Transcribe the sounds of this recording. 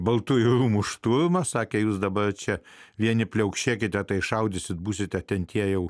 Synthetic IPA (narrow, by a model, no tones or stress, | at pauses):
bɐlˠt̪ujuɾuːmuʃt̪uɾmɐsɑːkʲɛjuːsd̪ɐbɐrt͡ʃʲɛ | ʋʲiɛnʲɪpʲlʲɛʊkʃʲeːkʲɪt̪ʲɛt̪ɐɪʃɐʊd̪ʲɪsʲɪt̪̚buːsʲɪt̪ʲɛt̪ʲɛnt̪ʲiɛjɛʊ